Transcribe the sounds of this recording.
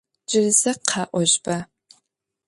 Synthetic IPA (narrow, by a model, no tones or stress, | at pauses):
d͡ʒɪrzɐqʰɑːʔʷɔʑbɐ